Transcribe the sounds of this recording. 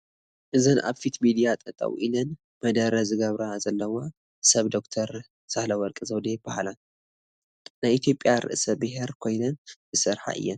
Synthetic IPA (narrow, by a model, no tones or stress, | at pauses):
ʔɨzɨnʔa̰βfit̪mid̪ijat̪ʼɐt̪ʼɐ̰wʔḭnɐn | mɐd̪ɐɾɐzɨɡɐβɾazɐlːɐwa | sɐβd̪o̞kt̪ʰɐɾ | sahlɐwɔɾkʼizɐwd̪eb̥ahala | najʔit̪ʰjo̞pʼːjaɾɨ̰ʔsɐbɨɦeɾkʰo̞jnɐnzɨsɨɾħa̰ʔɨ̰jːɛn